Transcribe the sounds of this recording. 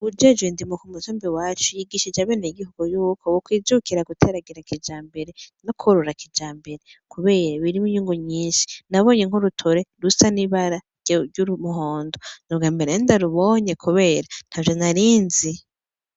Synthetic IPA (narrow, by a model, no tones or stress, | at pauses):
ud͡ʒed͡ʒɡwendimukumutoːmbiwaːt͡ʃujiɡiʃid͡ʒaβeːnejiɡihuɡujuːkʰowokwiːzukiɾaɡutʰeɾaɡiɾakid͡ʒaːmbe̞ɾenokʰoɾoɾakʰid͡ʒaːmbe̞ɾekʰuβe̞ːɾaβiɾimuɲuːŋɡuɲiːʃi̥naβo̞ːɲeŋ̥hoɾutʰoɾeɾusaniβaɾa | uumuɦoːndonuβɡaːmbeɾeindaɾuβo̞ɲekʰuβe̞ːɾan̥havjonaɾiːnzi